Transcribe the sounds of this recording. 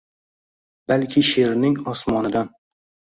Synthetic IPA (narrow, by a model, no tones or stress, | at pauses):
b̥alkʲʰɪʃeɾnɪŋɒsmɒnɪd̪an